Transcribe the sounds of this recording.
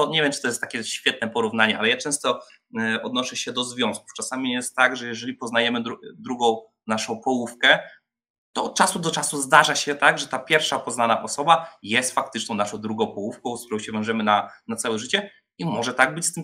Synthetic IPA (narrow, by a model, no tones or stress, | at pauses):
ɔɲevʲjɛmt͡ʂɨt̪ɔjɛst̪ːakʲɛɕfʲjɛt̪̚nɛpɔɾuvn̪aɲɛʔa̰lɛjat͡ʂɛ̃w̃st̪ɔ | ɔd̪nɔʂɛɕɛd̪ɔzvʲjɔ̃w̃sku̥ft͡ʂasamʲijɛst̪ːaɡʐɛjɛʐɛlʲipɔznajɛmɘd̪d̪ɾuɡɔ̃w̃ | naʂɔ̃w̃pɔwufkɛ | t̪ɔːt̪̚t͡ʂasud̪ɔt͡ʂasuzd̪aʐaɕɛt̪aɡʐɛt̪apʲjɛɾfʂapɔznanaʔɔsɔbajɛst̪fak̚t̪ɘt͡ʂnɔ̃naʂɔ̃w̃d̪ɾuɡɔ̃w̃pɔwufkɔ̃w̃skt̪uɾɔ̃w̃ɕɛvʲjɔ̃w̃ʐɛmɘnanat̪sawɛʐɘt͡ɕɛ | imɔʐɛt̪aɡ̚bɘt͡ɕst̪ɘm